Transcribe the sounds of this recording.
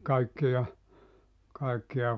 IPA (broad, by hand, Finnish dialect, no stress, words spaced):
kɑikːijɑ kɑekːij̆ɑ